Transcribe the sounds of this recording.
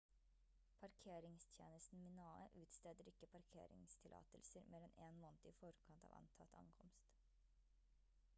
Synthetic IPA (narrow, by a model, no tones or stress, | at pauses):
pʰɑɾkʰeːɾɪŋst̪ʰjḛːnəst̪n̩mɪnɑːə̰ʔʉːt̪st̪ɛːd̪əɾɪkːəpʰɑɾkʰḛːɾɪ̰ŋst̪ʰɪlʔɑ̰ːt̪əlsəɾmʔeːɾɛneːnmoːnt̪əɪfɔɾkʰɑnt̪ɑ̰ʋɑ̰nt̪ʰɑt̪ʰɑ̰ŋkʰɔmst̪